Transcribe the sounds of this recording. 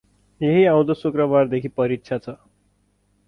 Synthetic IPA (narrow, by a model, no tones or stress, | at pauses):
jeɦiaw̃d̪osukrʌbard̪ekʰipʌɾitt͡sʰat͡sʰʌ